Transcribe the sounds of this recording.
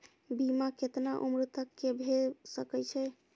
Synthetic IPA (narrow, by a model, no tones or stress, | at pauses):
bimaket̪naʔumɾut̪əkːebʱesəkɛt͡ʃʰɛ